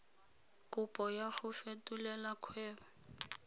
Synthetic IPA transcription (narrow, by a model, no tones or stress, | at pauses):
kʼʊpʼɔjaxʊfetʼulɛlakʰwɛːʊ